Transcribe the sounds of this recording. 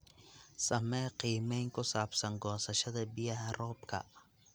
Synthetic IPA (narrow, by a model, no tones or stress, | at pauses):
sɐmɛːqiːmɛŋkʰʊsaːbsɐŋɡɔːsɐʃɐðɐbɪjɐhɐrɔːbkʰɐ̰